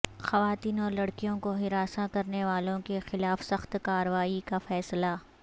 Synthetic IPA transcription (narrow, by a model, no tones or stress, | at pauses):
xɐʋaːt̪iːnɔːɾlɐɽkijõkoɦɪɾaːsakɐɾneʋaːlõkexɪlaːfsɐxt̪kaːɾəʋaːikafɛːsla